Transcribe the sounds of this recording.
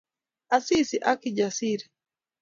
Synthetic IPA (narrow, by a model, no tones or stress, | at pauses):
asisiʔakid͡ʒasiɾi